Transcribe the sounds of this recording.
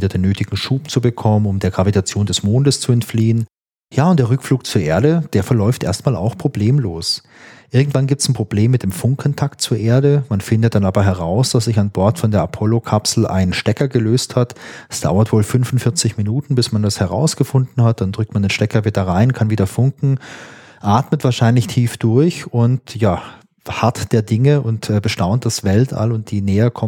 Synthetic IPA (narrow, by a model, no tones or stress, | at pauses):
viːdɐdeːnːøːtʰɪɡŋ̩ʃuːp̚t͡subəkʰɔmənʊmdeːɐɡʁavitʰat͡sjoːndɛsmoːndəst͡suɛntfliːən | jaːʊntd̥eːɐʁʏkfluːk̚t͡suːɐʔeːɐdəd̥eːɐfɛɐlɔʏftʔḛːɐstmaːla̰ʊxpʁ̥obleːmloːs | ʔɪɐɡŋ̩tv̥anɡiːp̚tsn̩pʁ̥obleːmːɪt̚d̥eːmfʊŋkʰɔntʰak̚tt͡suːɐʔeːɐdəmanfɪndət̚d̥anaːbɐɦɛʁ̞aʊsd̥as̬z̥ɪçanbɔɐtfɔndeːɐʔapʰɔlokʰapsl̩ʔa̰ɪnənʃtɛkɐɡəløːsthatɛsd̥a̰ʊɐtv̥oːlfʏnfʊnfɪɐt͡sɪçminuːtn̩bɪsmandashɛʁa̰ʊsɡ̥əfʊndn̩hat̚d̥andʁʏk̚tmandeːnʃtɛkɐvidɐʁaɪnkʰanviːdɐfʊŋkŋ̩ | ʔaːtmətv̥aːɐʃaɪnlɪçtʰiːfd̥ʊɐçʊntjaː | hatd̥eːɐdɪŋəʔʊntɛːbəʃtaʊnt̚d̥asv̥ɛltʰa̰lʊnt̚d̥iːnɛːɐkʰɔm